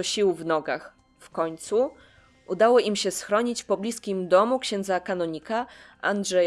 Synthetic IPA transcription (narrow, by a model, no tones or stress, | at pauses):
ɔɕiwvnɔɡax | fkɔɲt̪su | ʔud̪awɔʔimɕɛsxɾɔɲit͡ɕpɔblʲiskʲimd̪ɔmukɕɛ̃nd̪zakanɔɲikaa̰ndʐɛ